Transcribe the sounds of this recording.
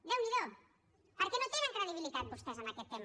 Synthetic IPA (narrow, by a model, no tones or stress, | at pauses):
d̪ewmiðo | pəɾkɛnot̪eŋəŋkɾəðiβ̞ilit̪at̪̚bust̪ɛzənakɛt̪ːem